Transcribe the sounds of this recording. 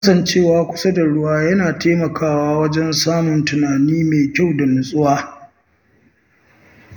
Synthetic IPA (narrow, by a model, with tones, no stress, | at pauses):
kɐ˦sɐ˦˨nt͡ʃeː˦˨waː˨˦kʷʊ̥˦sɐ˦da˨ɽʊ˦waː˦jɐ˦naː˨teː˦mɐ˨kʰaː˦˨waː˦wɐ˦d͡ʒɛ˦nsaː˦mʊ˨ntʊ˨naː˨niː˦meː˨kʲa˦˨wda˨nʊ˨sʼʊ˦waː˦